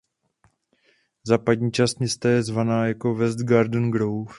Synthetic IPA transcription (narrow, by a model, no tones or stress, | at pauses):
zaːpadɲiːt͡ʃast̪ɲɛst̪ajɛzvanaːjako̞vɛzd̪ɡaɾdn̩ɡɾowf